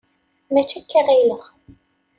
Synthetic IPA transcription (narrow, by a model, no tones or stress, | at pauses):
mæt͡ʃːækːiʁiləʁ